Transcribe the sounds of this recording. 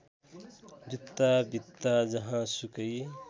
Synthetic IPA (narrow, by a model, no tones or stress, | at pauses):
bit̪ːabit̪ːad͡ʒɐɦãsukəi